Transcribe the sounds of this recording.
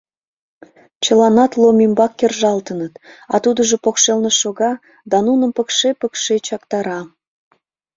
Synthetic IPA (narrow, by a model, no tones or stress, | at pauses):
t͡ɕəlɑnɑt̪lomimbɑkːerʒɑlt̪ənət̪ɑ̰t̪ud̪əʒopokʃelneʃoɣɑ | d̪ɑnunəmpəkʃepəkʃet͡ɕɑkt̪ɑɾɑ